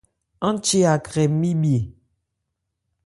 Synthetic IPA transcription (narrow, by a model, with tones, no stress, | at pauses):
ã˦t͡ʃe˦a˨kɾɛ˨˦mĩ˦bi˨e˨